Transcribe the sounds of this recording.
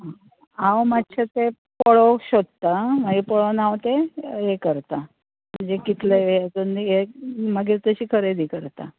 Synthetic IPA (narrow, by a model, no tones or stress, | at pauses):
ɦa | awmat̪t͡ɕɕʰet̪e | pəɭoɕod̪t̪amaɡipəɭonawt̪eɦekəɾt̪a | m̤əɳd͡zekit̪ʰleat͡suniɦeməɡet̪əɕiːkʰəɾed̪iːkəɾt̪a̰